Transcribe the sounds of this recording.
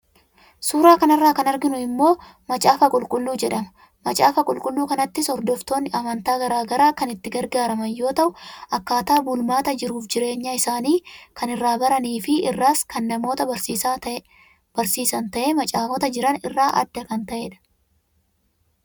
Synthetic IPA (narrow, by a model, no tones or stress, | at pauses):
suːɾaːkɐnɪrːaːkɐnɐɾɡɪnʊɪmːo̞ː | mɐt͡ʃʼaːfɐkʼʊlkʼʊlːuːd͡ʒɛᶑɐmɐ̥ | mɐt͡ʃʼaːfɐkʼʊlkʼʊlːuːkɐnɐt̪ːɪsɔɾd̪ɔft̪o̞ːnːɪʔɐmɐnt̪aːɡɐɾaːɡɐɾaːkɐnɪt̪ːɪɡɐɾɡaːɾɐmɐnjo̞ːt̪ɐʔʊʔɐkːaːt̪aːbʊlmaːt̪ɐd͡ʒɪɾuːfd͡ʒɪɾe̞ːɲːaːɪsaːniːkɐnɪrːaːbɐɾɐniːfɪɪrːaːskɐnːɐmo̞ːt̪ɐɐɾsiːsa | b̥ɐɾsiːsɐnt̪ɐʔeːmɐt͡ʃʼaːfɔt̪ɐd͡ʒɪɾɐnɪrːaːʔɐ̰d̪ːɐkɐnt̪ɐʔeːᶑɐ̥